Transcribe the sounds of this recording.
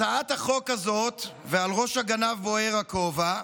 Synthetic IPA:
aat̪aχo̞kazo̞t̪vealʁoʃhaɡanavboeʁakova

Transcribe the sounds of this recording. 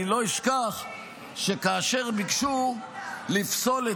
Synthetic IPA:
lo̞iʃkaχ | ʃekaːʃe̞ʁbikʃu | lifso̞le

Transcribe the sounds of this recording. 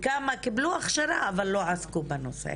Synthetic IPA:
kamakibluaχʃaɾaːvalːoʕaskubanosḛ

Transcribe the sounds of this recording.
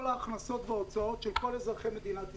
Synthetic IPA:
laːχnaso̞t̪veot͡sao̞t̪ʃelko̞lezʁaχeme̞d̪inat̪

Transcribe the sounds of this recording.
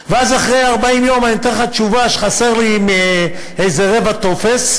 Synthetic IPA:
veazaχʁejaʁbaimjo̞mant̪eχat͡ʃuvaʃe̥χase̞ʁliːme | ejzeʁe̞vat̪o̞fe̞s

